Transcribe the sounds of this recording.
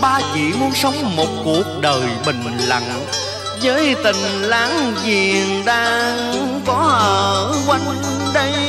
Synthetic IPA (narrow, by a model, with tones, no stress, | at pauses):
ɓaː˧zḭ˧˨mu˨˧ənsə˨˦wŋ͡mmo˨˩t̚ku˨˩ək̚ɗəː˨˩jɓï˨˩ŋ̟la̰˧˨˩ŋ | zəː˨˦jt̪ï˨˩ŋ̟laː˨˦ŋzi˨˩əənɗaː˧ŋkɔ˨˦ʔəː˨˩kwa˨˧˦jŋɗə˧j